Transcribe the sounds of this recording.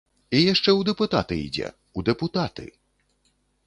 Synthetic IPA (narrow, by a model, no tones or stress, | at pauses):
ijaʂt͡ʂɛwd̪ɛput̪a̰t̪ɨḭd͡zʲɛ̰ | ud̪ɛput̪at̪ɨ̰